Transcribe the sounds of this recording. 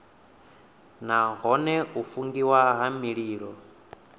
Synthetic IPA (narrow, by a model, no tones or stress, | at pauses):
naɦɔnɛufuŋɡiwaɦamiɺiːɺɔ